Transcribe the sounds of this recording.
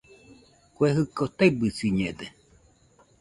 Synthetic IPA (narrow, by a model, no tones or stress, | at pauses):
kʷeɦɨkot̪ebɨsiɲed̪e